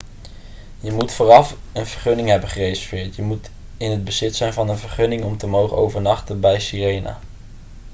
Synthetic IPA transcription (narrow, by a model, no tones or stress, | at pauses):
jəmutfʊːrɑf | ənv̥əɹχɵnɪŋɦɛbənχərejsəfɪːtjəmut | ɪnɦəd̚bəzɪtsɛjnvɑnənvəɹχɵnɪŋɔmtəmowχəno̰wvəɹnɑχtəbɛjsirejna̰ː